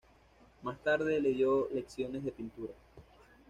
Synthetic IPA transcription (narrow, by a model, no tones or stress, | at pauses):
mast̪aɾðe̞le̞ðjole̞ksjo̞ne̞zðepint̪uɾa